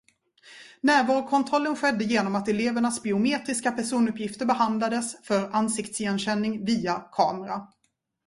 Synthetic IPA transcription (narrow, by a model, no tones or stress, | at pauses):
næːɾvɑːɾkʰɔnt̪ʰɾɔlːənɧɛd̪ːəjeːnɔmat̪ɛleːvəɳasbɪʊmeːt̪ɾɪskapʰæʂuːnɵpjɪft̪əɾbɛɦand̪lad̪əsfœɾansɪkt̪sjɛnɕɛnːɪŋviːakʰɑːmɛɾa